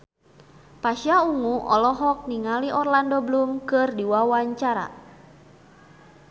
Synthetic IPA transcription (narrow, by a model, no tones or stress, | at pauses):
paʃiauŋuʔɔ̰lɔɦɔk̚niŋaliʔɔrlandɔblumkɨrdiwawaɲt͡ʃaɾa̰